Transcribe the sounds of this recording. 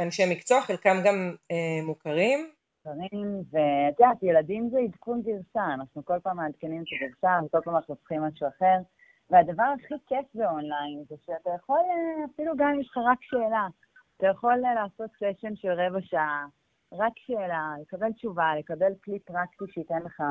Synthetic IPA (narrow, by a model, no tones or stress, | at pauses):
anʃemikt͡soχelkamɡamemukaʁim | ukaʁimved̪atjeladimzeid̪kunɡiʁʃaːnaχnuko̞lpaːmaːd̪kenimet̪aɡiʁʃaveko̞lpaːmanaχnuot͡sχimːaʃuaχe̞ʁ | vead̪avaʁaχikefbeo̞nlajnzeʃeat̪ajaχo̞lafiluɡamjeʃχaʁakʃeːlaː | tajaχo̞llaːso̞t̪seʃenʃelʁevaʃa | ʁakʃeːlale̞kabe̞lt͡ʃuvale̞kabe̞lklipʁakt̪iʃeit̪enleχa